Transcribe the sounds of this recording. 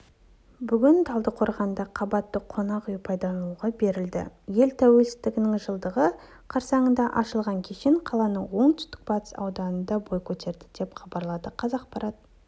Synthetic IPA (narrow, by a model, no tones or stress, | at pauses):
bʏɡʲɪnt̪ʰɑlˠd̪əqʰo̞ɾʁɑnd̪ɑqʰɑbɑt̪ːəqʰo̞nɑqyjpʰɑjd̪ɑuʁɑbe̞ɾɪld̪ɪ̰je̞lt̪ʰæwe̞lsɪ̥zt̪ɪɡʲɪnɪŋʒəlˠd̪əʁə | qʰɑɾsɑɴənd̪ɑʔɑʃəlˠʁɑŋkʲʰe̞ʃeɴqʰɑlˠɑnəwo̞ɴt̪ʰʏ̥st̪ɪ̥k̚b̥ɑt̪ə̥sɑ̰wd̪ɑnənd̪ɑbo̞jkʲʰɵt̪e̞ɾd̪ɪd̪e̞pχɑbɑɾlˠɑd̪əqʰɑzɑq̚pɑɾɑt̪